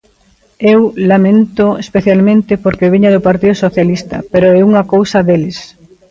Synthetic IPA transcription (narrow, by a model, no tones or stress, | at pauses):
ewlamẽnt̪oespeθjalmẽnt̪ɪpoɾkeβiɲɐðʊpaɾt̪iðʊsoθjalist̪ɐ̰peɾoɛuŋɐkowsɐðelɪs